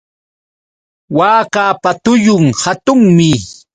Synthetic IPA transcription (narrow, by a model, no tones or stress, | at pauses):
waːkaːpat̪ʊjʊŋhat̪ʊŋmɪ